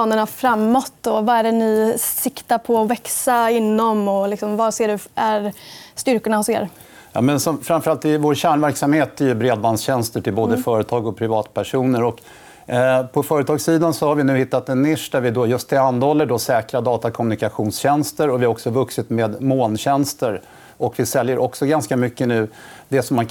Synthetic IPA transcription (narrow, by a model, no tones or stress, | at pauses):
nəɳafɾamːɔt̪ːɔvaæɖɛnɪsɪkt̪apʰɔːvɛksaɪnːɔmɔlɪksɔmvaseːɖɵæɾst̪ʏɾkʊɳaɔsḛːɾ | jɑ̰ːmɛnsɔmfɾamfœɾalt̪ɪvoːɾɕæːɳvæɾksamheːt̪æjɵbɾeːd̪̚bansɕɛnst̪əʈʰɪlboːd̪əfœːɾət̪ʰɑːɡɔpʰɾɪvɑːt̪pʰæʂuːnəɾɔk | pʰɔfœːɾət̪ʰɑːɡsiːd̪ansɔhaɾvɪnʉ̟ːhɪt̪ːat̪ɛnːɪʂd̪æɾvɪd̪ojɵst̪ʰɪlhand̪hɔlːəɖɔsɛːkɾad̪ɑːt̪akʰɔmɵnɪkaɧuːnsɕɛnst̪əɾɔvɪhaɾɔksɔvɵksɪt̪meːd̪moːnɕɛnst̪əɾ | ʔɔkvɪsɛljəɾʔɔksɔɡanskamʏkːənʉ̟ː | d̪ɛsɔmːan